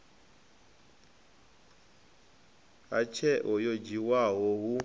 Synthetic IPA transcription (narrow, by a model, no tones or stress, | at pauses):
a̰t͡ʃʰɛʔɔjod͡ʒiwaɦɔɦu